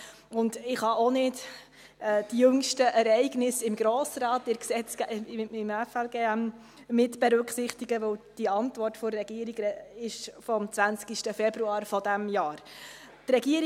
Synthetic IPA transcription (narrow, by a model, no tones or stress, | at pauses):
ʊndɪχhɑʔonɪt | ɛːd̥ijɵŋʃtəʔɛɾɛɪɡnɪsɪmɡɾɔːsɾɑːtɪɾksɛt͡skɪmɛfɛlɡeːæm | mɪtb̥ɛɾʉkχsɪχtiɡəʋɵwd̥iɑntvɔrtfʊɾːɛɡ̥iːəɾiɡɾɛɪʃfɔmt͡sʋænt͡skiʃtəfɛbɾuɑːɾfɔdæmjɑːɾ | trɛɡiəɾ